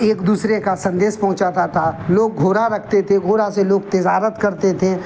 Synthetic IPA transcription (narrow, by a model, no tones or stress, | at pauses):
eːkd̪uːsɾekasɐ̃nd̪eːspɐɦʊ̃t͡ʃat̪at̪ʰaloːɡ̚ːʱoːɾaɾɐkʰt̪et̪ʰeɡʱoːɾaseloːɡt̪ɪd͡ʒaːɾət̪kɐɾt̪et̪ʰe